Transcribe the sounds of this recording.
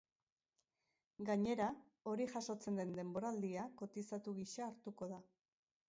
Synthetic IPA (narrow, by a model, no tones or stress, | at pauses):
ɡaɲe̞ɾa | o̞ɾiʝaʃo̞t͡se̞nd̪e̞nd̪e̞mbo̞ɾald̪iako̞t̪isat̪uɣiʃaːɾt̪uko̞ð̞a